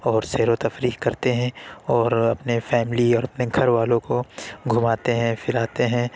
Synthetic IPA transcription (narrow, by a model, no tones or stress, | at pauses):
ɔːɾseːɾot̪ɐfɾiːkkɐɾt̪eɦɛ̃ɔːɾɐpnefɛːmɪliɔːɾɐpneɡʱɐɾʋaːlõkoɡʱʊmaːt̪eɦɛ̃fʰɪlaːt̪eɦɛ̃